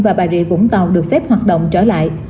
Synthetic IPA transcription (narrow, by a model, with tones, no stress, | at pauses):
vaː˨˩ɓaː˨˩zḭ˧˥vʊ̰˧˥ŋ͡mt̪a˨˩wɗɨ˨˩ək̚fɛ˦˥p̚hwaː˨˩t̚ɗə̰˧˨wŋ͡mt͡ɕəː˧˩la̰ː˧˨jʔ